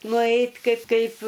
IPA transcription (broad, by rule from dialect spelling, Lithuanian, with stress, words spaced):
nʊˈɛɪtʲ ˈkɐɪp ˈkɐɪp